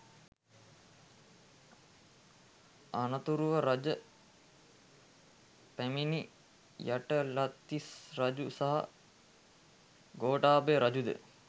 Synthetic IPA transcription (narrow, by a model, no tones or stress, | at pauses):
anət̪uɾuʋəɾad͡ʒə | pæmini | jaʈəlat̪ːisrad͡ʒusaɦa̰ | ɡoːʈaːbeɾʔad͡ʒud̪ə̰